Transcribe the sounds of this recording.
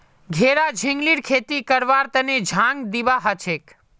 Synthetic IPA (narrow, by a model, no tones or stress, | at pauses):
ɡʱeɾad͡ʒʱĩŋɡliɾkʰet̪ikəɾʋaɾt̪əned͡ʒʱãŋɡd̪iʋaɦət͡ʃʰek